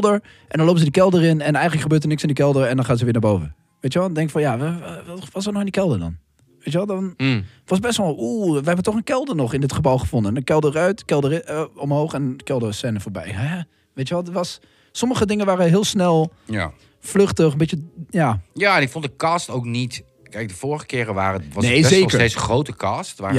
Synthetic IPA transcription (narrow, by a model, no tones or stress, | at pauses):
lˠdəɹ | ʔɛndɔnlowpəsədikɛlˠdəɾɪnɛnɛjɣənləkχəbøːtəɹnɪksɪndikɛlˠdəɾɛndɔnχaːts̬əʋɪːnaːbowvə̰ | ʋejtjəʋɛlˠdɛŋkfɔnja | ʋɑsənɔɪndikɛlˠdəɹdɔ̰n | ʋejtʋɛlˠdɔn | ʋɔsbɛstʋɔuːʋəɦɛbətɔχənkɛlˠdəɹnɔχɪndɪtχəbɔwˠχəfɔndənəkɛlˠdərœɥtkɛlˠdərɔmhowχɛnkɛlˠdəsɛnəfoːɹbɛ̰jɛ | ʋeːtjəʋɛlˠdəʋɑsː | ɔməχədɪŋənʋaːrəɦɪəlˠsnɛlˠ | flɵχtəχəmbɪtəjaːjaːɛnɪkfɔ̃ntdəkaːstowknit | kɛjk̚dəfoːɹχəkɪːɾəʋa̰ːrəʋɑneːzekəteːsχrowtəkaːstʋaː